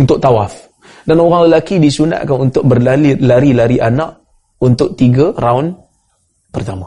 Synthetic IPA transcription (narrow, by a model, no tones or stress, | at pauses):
unt̪ʊʔ̚t̪awaf | danoɾaŋləlakidisuna̰ʔ̪kanunt̪ʊk̚bərlailaɾilaɾiʔanaʔ | unt̪ʊʔ̚t̪iɡaraʊn | pərt̪ama